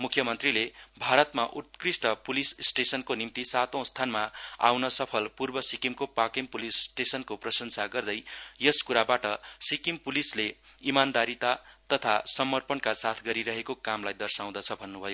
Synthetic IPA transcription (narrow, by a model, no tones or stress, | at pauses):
mukʰːjʌmʌnt̪rilebʱaɾʌt̪maʔut̪̚krisʈʌpulissʈesʌnkonimt̪isat̪õw̃st̪ʰanmaa̰wnʌsʌpʰʌlpurbʌsikimkopakempulisːʈesʌnkoprʌsʌnsaɡʌrd̪ʌjjʌskuɾabaʈʌsikimpulisleimand̪aɾit̪at̪ʌt̪ʰasʌmʌrpʌnkasat̪ʰɡʌɾiɾʌɦekokamlajd̪ʌrsaw̃d̪ʌt͡sʰʌbʱʌnːubʱʌjo